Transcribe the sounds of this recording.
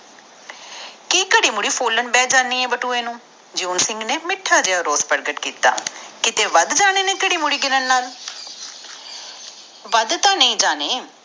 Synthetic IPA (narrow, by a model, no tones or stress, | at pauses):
kiːkəɽiːmʊɽiːpʰoːlənbɛːd͡ʒaːnːiːɛːbəʈuːeːnũː | d͡ʒoːnsɪ̃ŋɡneːmɪʈʰːaːd͡ʒɪaːɾoːspəɾɡəʈkiːt̪a̰ːkɪt̪eːʋəd̪d͡ʒaːneːnẽːkəɽiːmʊɽiːɡɪnənːaːl | ʋəd̪t̪ãːnəĩːd͡ʒaːneː